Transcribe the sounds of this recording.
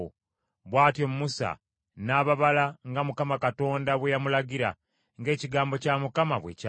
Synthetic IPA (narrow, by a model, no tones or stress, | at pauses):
o | βwaːtjomumusa̰ | naːβaβalaŋɡamukamakato̞ːndaβwejamulaɡiɾa̰ | ŋɡe̞ːciɡaːmbo̞camukamaβweca